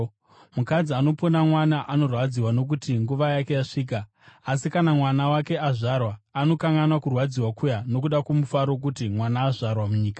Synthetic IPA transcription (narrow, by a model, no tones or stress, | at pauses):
mukad͡ziano̞ponamwanaʔano̞rwad͡ziwano̞k̬utiŋɡuʋajake̞jaʂiːk̬aː | sikanamwanawake̞aʐarwaːno̞kaŋɡanwakurwad͡ziwakʰujano̞kuɗakwomufaɾo̞k̬utimwanaːʐarwamuɲiːkḁ